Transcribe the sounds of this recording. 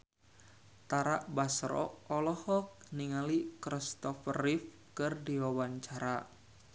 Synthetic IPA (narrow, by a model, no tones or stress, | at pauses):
t̪aɾaʔbasɾɔ̰ɔlɔhɔk̚niŋalikɾist̪ɔfərif | kɨrdiwawaɲt͡ʃaɾa